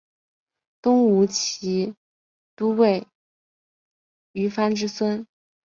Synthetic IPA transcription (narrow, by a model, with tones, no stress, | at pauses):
t̪ʊ˥ŋu˧˥t͡ɕʰi˧˥ | t̪u˥we˥˩ɪ | y˧˥fa˥nʈ͡ʂɻ̩˥swə˥n